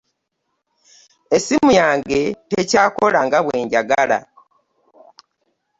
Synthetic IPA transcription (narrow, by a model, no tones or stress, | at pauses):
e̞simujaːŋɡe̞te̞caːko̞laŋɡaβwe̞ːɲɟaɡala̰